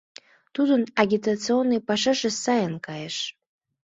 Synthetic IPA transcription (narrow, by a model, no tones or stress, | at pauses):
tʰuzɨnaɡʲit̪ʰʼat͡sʰɨonːɨjpaʂɨʂɨsːajankʼajaʂ